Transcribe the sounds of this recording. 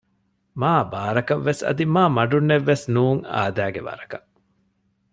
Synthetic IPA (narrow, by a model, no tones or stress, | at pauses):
maːbaːɾɐkɐʋːesɐ̰d̪imaːmɐɖunːeʋːesnuːŋa̰ːd̪æːɡḛʋɐ̰ɾɐkɐ